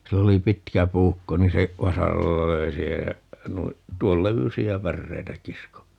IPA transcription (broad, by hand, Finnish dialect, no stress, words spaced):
silː oli pitkæ puːkːo niːn se ʋɑsɑrɑlːɑ løi siːhej jæ nui tuol leʋysiæ pærːeitæ kisko